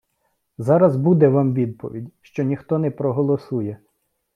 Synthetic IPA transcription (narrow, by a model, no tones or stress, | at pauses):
zɑɾɐzbud̪ɛʋɑmʋʲid̪̚pɔ̰ʋʲḭdʲʃt͡ʃɔnʲixt̪ɔnɛpɾɔɦɔlˠɔsujɛ